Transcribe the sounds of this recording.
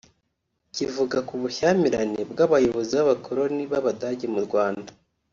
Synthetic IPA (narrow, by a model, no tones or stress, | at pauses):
civuɡakuβuçamiɾanebɡaβajo̞βo̞ziβaβakʰoɾo̞niβaβadaɟemuɾɡwaːnda